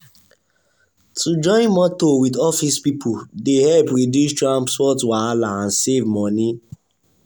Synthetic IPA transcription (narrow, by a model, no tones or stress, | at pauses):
tʰud͡ʒɔ̃ɪ̃nmɔtowidɔfispipʰodehɛlpɹodjustɹãmpspɔtwalaãnsevmɔ̃ni